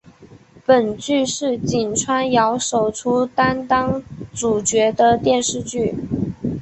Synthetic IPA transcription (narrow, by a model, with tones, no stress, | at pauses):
pə˨˩nt͡ɕy˥˧ʂɻ̩˥˩t͡ɕi˨˩nʈ͡ʂʰwa˥njɑ˧˥ʊʂo˨˩ʊʈ͡ʂʰu˥t̪a˥nt̪ɑ˥ŋʈ͡ʂu˨˩t͡ɕɥɛ˧˥d̪ə˧t̪jɛ˥˧nʂɻ̩˥˧t͡ɕy˥˩